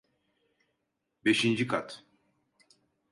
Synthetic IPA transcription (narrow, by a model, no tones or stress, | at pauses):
beʃind͡ʒikʰat̪